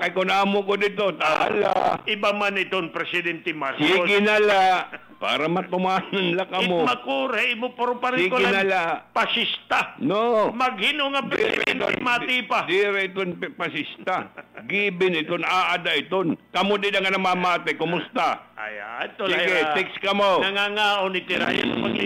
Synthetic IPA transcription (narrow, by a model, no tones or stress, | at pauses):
kajkʊnaːmʊkod̪ɪt̪ot̪aa̰la̰ʔɪbamanɪt̪onpɾɛsɪd̪ɛnt̪ɪmasiːɡɪnɐla | pa̰ːɾamat̪ʊmaːnanlakɐmomɐkuːɾaɪmopoɾopaɾsiːkoɪnalaʔpasist̪anomɐɡhinoŋadpɾɛɛ̰nɛ̰mat̪ɪpad̪iɾɪɪt̪onppasɪst̪aɡiːbɪnɪt̪onaːʔad̪aʔɪt̪onkɐmod̪ɪdaŋanamamaːt̪ɪkʊmʊst̪aa̰jat̪oiɡɪt̪ɛkskɐmonɐŋaŋaːʔonɪt̪ɪɾa̰jo̰n̰ma̰ɡ̰